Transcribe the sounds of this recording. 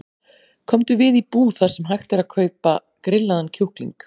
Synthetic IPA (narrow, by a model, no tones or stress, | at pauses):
kʰɔmt̪ʏvɪðipuːθaɾ̥sɛmɦajxt̪ɪɾaðkʰœːɥpa | kɾɪlːaðancʰowhklḭŋk